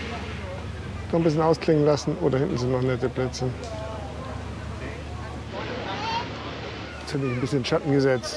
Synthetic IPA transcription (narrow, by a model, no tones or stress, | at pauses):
nɔχn̩bɪs̬çənaʊskʰl̥ɪŋənlasn̩ʔo̰ːdɐhɪnʔn̩t͡suːnɔχnɛtəpl̥ɛt͡sə | shatmɪçnbɪsçənʃatn̩ɡəzɛt͡st